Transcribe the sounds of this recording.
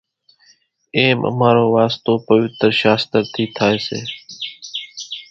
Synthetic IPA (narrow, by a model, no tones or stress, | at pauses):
eːmʔə̰maːɾoːʋaːst̪oːpəʋɪt̪ɾʃaːst̪əɾt̪ʰiːt̪ʰaːeːsḛː